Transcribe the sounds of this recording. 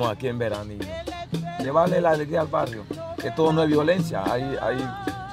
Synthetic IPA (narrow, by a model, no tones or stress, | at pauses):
oakiembeɾaniɲ | neβalelaðeɣialβarjo | et̪oðonoeβjolẽnsja̰a̰ja̰j